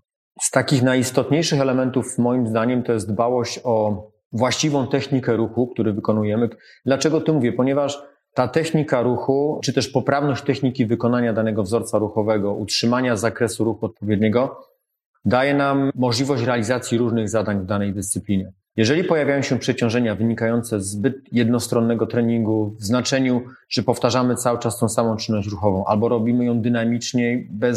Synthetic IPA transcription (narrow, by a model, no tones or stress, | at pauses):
st̪akʲixnajist̪ɔt̪ɲejʂɘxɛlɛmɛnt̪ufmɔjimzd̪aɲɛmt̪ɔjɛst̪d̪bawɔɕt͡ɕɔ | vwaɕt͡ɕivɔ̃w̃t̪ɛxɲikɛɾuxuk̚t̪uɾɘvɘkɔnujɛmɘ | d̪lat͡ʂɛɡɔt̪ɨmuvʲjɛpɔɲɛvaʂ | t̪at̪ɛxɲikaɾuxut͡ʂɘt̪ɛʂpɔpɾavnɔɕt͡ɕt̪ɛxɲikʲivɘkɔnaɲad̪anɛɡɔvzɔɾt̪saɾuxɔvɛɡɔʔutʂɘmaɲazakɾɛsuɾuxuɔt̪̚pɔvʲjɛd̪̚ɲɛɡɔ | d̪ajɛnamːɔʐlʲivɔɕt͡ɕɾɛalʲizat̪sʲjiɾuʐnɘɣzad̪aɲvd̪anɛjd̪ɘst̪sɘplʲiɲɛ | jɛʐɛlʲipɔjavʲjajɔ̃ɕɛpʂɛt͡ɕɔ̃w̃ʐɛɲavɘɲikajɔnt̪sɛzbɘt̪̚jɛd̪nɔst̪ɾɔnːɛɡɔt̪ɾɛɲiŋɡuvznat͡ʂɛɲuʐ̥ɛpɔft̪aʐamɘt̪sawɘt͡ʂast̪ɔ̃w̃samɔ̃w̃t͡ʂɘnːɔɕt͡ɕɾuxɔvɔ̃w̃ʔa̰lbɔɾɔbʲimɘjɔ̃w̃d̪ɘnamʲit͡ʂɲɛbɛ